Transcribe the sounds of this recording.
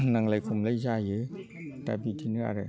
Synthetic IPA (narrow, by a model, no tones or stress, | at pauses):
naŋlajkʰumlasaːjɯ | t̪a̰pit̪ʰinɯʔa̰ɾa